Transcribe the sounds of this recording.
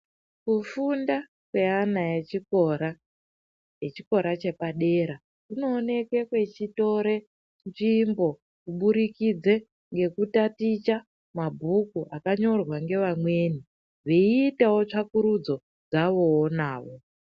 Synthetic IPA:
kufunda | kwe̞anajet͡ʃikoɾa | jet͡ʃiko̞ɾat͡ʃe̞paɗe̞ɾa | ino̞ːne̞kwekwe̞t͡ʃito̞ɾe̞ | nʐimbo̞ | kuɓuɾikid͡ze | ŋɡe̞kutatit͡ʃa | mabʱukuʔakaɲo̞rwaŋɡe̞ʋamwe̞ːni | ʐeːtawo̞t͡ʂakuɾud͡zo̞ | d͡zaʋo̞wːnaːʋo̞

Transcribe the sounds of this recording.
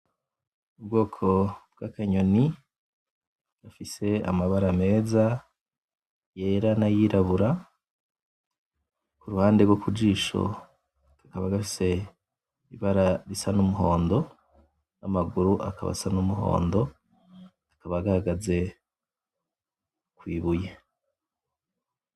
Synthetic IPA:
ubɡo̞ːkʰo̞b̚ɡ̥akaɲo̞ni | ɡ̥afise̞a̰maβaɾame̞ːza | jeːɾanajiɾʔaβuɾa | kuɾuhaːndeɡwokud͡ʒiːʃo̞̰̥ | akaβaɡafise̞ | iβaɾaɾisanumuɦo̞ːndo̞ | namaɡuɾuʔa̰kaβa̰sanumuɦo̞̰ːndo̞ | akaβaɡahaɡaze̞ | kwiːβuje

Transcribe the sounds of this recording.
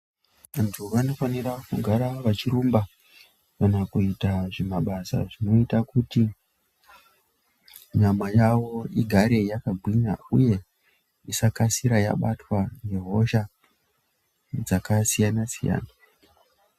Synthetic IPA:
ʋantʰuʋano̞fanirakuɡʱaɾaʋat͡ʃirumba | kanakuitaʐe̞maɓasa̰ʐino̞itakuti | ɲamajawo̞iɡʱaɾe̞jakaɡʱwiɲa̰ṵje̞ | isakasiɾaja̰ɓatwane̞ɦo̞ʃa | d͡zakasijanasija̰ːna

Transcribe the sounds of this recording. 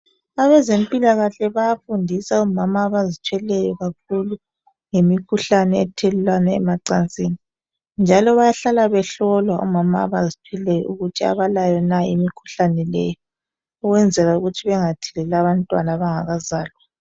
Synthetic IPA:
aβɛzempʼilaɣaɬɛβajafundʱisaumamaːβazit͡ʃʰwɛlɛjɔɣak̚ʰulu | ŋemikʰuɬanɛɛtʰɛlulwanaɛmaǀant͡sʼiːni | nd͡ʒʱalɔβajaɬalaβɛɬɔlwaṵmama̰ːβazit͡ʃʰwɛlɛjɔ̰ʔuɣutʰia̰βalajɔnaimikʰu̥ɬanɛlɛjɔ | ɔɣwɛnd͡zʱɛlauɣutʰiβɛŋatʰilɛlaβantʼwa̰naβaŋaɣazaːlwa

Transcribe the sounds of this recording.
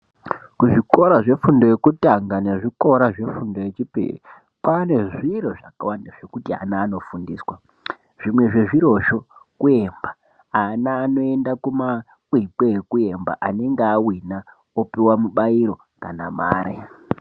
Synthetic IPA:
kuʐiko̞ɾaʐe̞fundo̞je̞kutaŋɡane̞ʐiko̞ɾaʐe̞fundo̞jet͡ʃipḛḭ | pane̞ʐiɾoʐakawandaʐ̥e̞kutia̰naːno̞fundiːswa | ʐ̥imwe̞ʐe̞ʐiɾo̞ʃo̞kue̞mba | anaːno̞e̞ndakuma | kwikwekue̞mba̰ʔane̞ŋɡeawina | opiwamuɓaiɾo̞ | kanama̰ːɾḛ

